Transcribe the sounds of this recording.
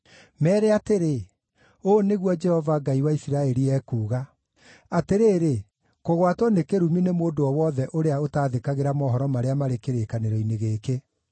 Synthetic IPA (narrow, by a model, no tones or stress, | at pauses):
mɛːɾeateɾe | oːneɣwɔd͡ʒɛhɔvaɡaiwaisiɾaɛɾiɛːkuːɣa | ateɾeːɾe | koɣwatwɔnekeɾuminemoːdoɔwɔðɛʔoɾeaotaːðekaɣeɾamɔːɦɔɾɔmaɾeamaɾekeɾeːkaneɾɔineɣeːke